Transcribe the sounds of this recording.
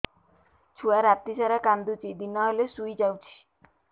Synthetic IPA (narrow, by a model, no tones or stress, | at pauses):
t͡ʃʰuaɾat̪isaɾakand̪ut͡ʃid̪inɔɦelesuid͡ʒawt͡ʃʰi̥